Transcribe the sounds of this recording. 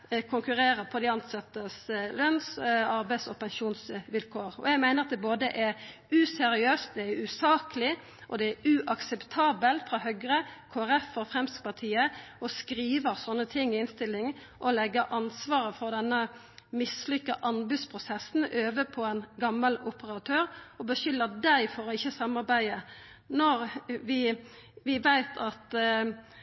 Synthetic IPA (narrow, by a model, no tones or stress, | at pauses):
kʰʊŋkʉʁeːɾəpʰɔd̪ɛɑnt̪sɑt̪ːəslœnsɑɾbæɪsɔpɛŋʃuːnsʋɪlkʰoːʁɔ̰jæɡmæɪnəɾʁɑt̪d̪ɛboːd̪əʔɛɾ | ʉsɛɾɪøːst̪̚d̪ɛæɾʉsɑːkəlɪ | ʔɔd̪ɛæɾʉʔɑksɛpt̪ʰɑːbəlfʁɑɦœɡɾəkʰoːæɾɛfɔfʁɛmst̪pɑt̪ʰiːəɔskɾiːʋəsɔnːət̪ʰɪŋːɪnst̪ɪlːɪŋ | ʔɔlɛɡəʔɑnsʋɑːɾəfɔʁd̪ɛnːə | mɪslʏkːɑʔɑnbʉːspʰʁʊsɛsn̩øːʋəpʰɔɛnɡɑmːəlʊpəʁɑt̪ʰøːɾɔbəʃʏlːəd̪æɪfɔɾɔɪçːəsɑmːɑʁbæɪə | nɔɾʋɪ | ʋɪʋæɪt̪ʰɑt̪